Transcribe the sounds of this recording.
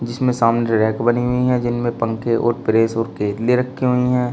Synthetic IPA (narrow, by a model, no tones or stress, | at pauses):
d͡ʒɪsmẽsaːmneɾɛːkbɐniɦʊiɦɛ̃d͡ʒɪnmẽpɐ̃ŋkeʔɔ̰ːɾpɪɾeːsɔːɾkeːd̪leɾɐkʰːiɦʊiɦɛ̃ː